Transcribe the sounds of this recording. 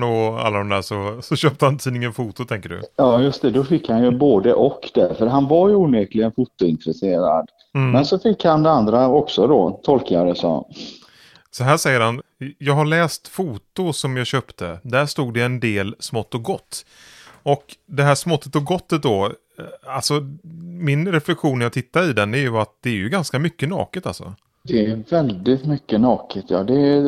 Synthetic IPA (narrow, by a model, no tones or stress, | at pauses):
ɔa̰lːad̪ɔmd̪æːʂɔsɔɕøːp̚t̪əhant̪ʰiːdnɪŋənfuːt̪ʊt̪ʰɛŋkəɖɵ̰jɑːjɵst̪ɛd̪ɔfɪkːhanjɵboːd̪əʔɔkd̪ɛɾfœɾɦanvaɾjuːneːklɪɡənfʊt̪ːʊɪnt̪ɾɛseːɾa̰d̪ | mɛnsɔfɪkːhand̪ɛand̪ɾaɔksɔd̪ɔ̰t̪ʰɔlkaɾəsɔ̰m | sɔɦæːʂɛjːəɾhanjɑːɡhaɭɛːst̪fuːt̪ʊsɔmjɑːɕøːpt̪ʰəd̪æʂt̪uːɡd̪ɛɛnd̪eːlsmɔt̪ːɔɡɔt̪ː | ɔkd̪ɛɦæːʂmɔt̪ːət̪ɔɡɔt̪ːət̪̚d̪ɔ | alsɔmɪnɾɛflɛkɧuːnjaːɡ̚t̪ʰɪt̪ːaɪd̪ɛnæɾjɵat̪̚d̪ɛæɾjɵɡanskamʏkːənɑ̰ːkət̪a̰lsɔ̰ | d̪ɛæɾvɛld̪ɪt̪mʏkːənɑːkət̪ʰjɑ̰ːd̪ɛ